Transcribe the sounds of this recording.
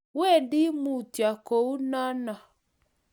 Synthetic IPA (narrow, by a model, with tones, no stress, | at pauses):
wɛ˦˨ndi˦mu˨tja˨ko˨u˦na˦na˨